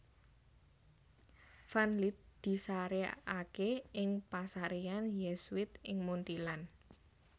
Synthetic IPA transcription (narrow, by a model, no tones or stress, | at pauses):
fanlit̪̚d̪̥i̤saɾeakeɪŋpasaɾeanjɛswɪt̪ɪŋmunt̪ilan